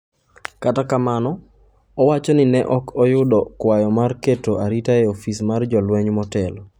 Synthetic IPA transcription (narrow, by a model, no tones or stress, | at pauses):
katakamanɔ | ɔwat͡ʃɔnɪnɛʔɔkɔjʊdɔkwajɔmarketoaɾitaeofismard͡ʒɔlwɛɲmɔtɛlɔ